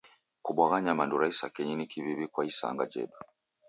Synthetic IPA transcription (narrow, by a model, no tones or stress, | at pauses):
kubwaɣaɲamanduɾaisakɛɲinikiβiβikwaisa̰ŋɡad͡ʒɛ̰ɗa